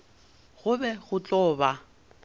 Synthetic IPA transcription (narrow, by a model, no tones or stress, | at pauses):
ɣʊbɛɣʊt͡ɬʼɔːba